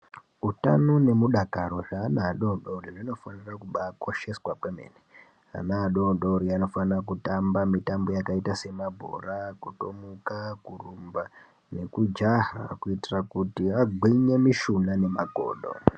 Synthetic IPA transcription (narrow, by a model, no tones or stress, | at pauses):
uta̰none̞muɗakaɾo̞ʐaːnaːɗoɗoriʐino̞fanirakuɓako̞ʃe̞swakwemḛne | a̰naːɗoɗoɾiano̞fanrak̬utambamitambo̞jakaitase̞mabʱo̞̰rakutomukakurumba | ne̞kud͡ʒaɦa̰kuitirakutiaɡʱwiɲe̞miʃunane̞maɡʱo̰ːɗo̰